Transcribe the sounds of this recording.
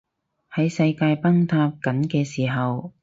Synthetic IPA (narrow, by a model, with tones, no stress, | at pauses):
hɐ˨˥jsɐ˧jkaː˧jpɐ˥ŋt̪ʰaː˧p̚kɐ˨˥nkɛː˧siː˨˩ɦɐ˨w